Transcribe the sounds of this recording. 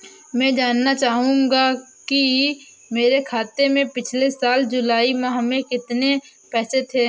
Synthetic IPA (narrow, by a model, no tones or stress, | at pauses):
mɛ̃ːd͡ʒaːnːat͡ʃaːɦũːŋɡaki | meːɾekʰaːt̪emẽpɪt͡ʃʰlesaːld͡ʒʊlaːimãɦmẽkɪt̪ne | pɛːset̪ʰeː